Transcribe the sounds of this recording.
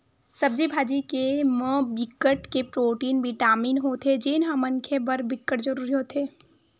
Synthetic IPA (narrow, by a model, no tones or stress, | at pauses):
sɐbd͡ʒibʱaːd͡ʒikemə̃bɪkːəʈkepɾoːʈiːnbʱiʈaːmiːnɦot̪ʰed͡ʒenɦãmɐ̃ŋkʰebɐɾbɪkːəʈd͡ʒəɾuːɾiɦoːt̪ʰeː